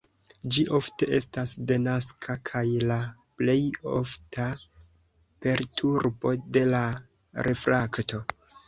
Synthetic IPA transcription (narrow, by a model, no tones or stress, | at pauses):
d͡ʒiʔo̞fte̞ʔe̞stasdenaskʰakʰajlaple̞jo̞̰fta | pe̞ɾtʰuɾbo̞de̞la | ɾe̞fɾakto̞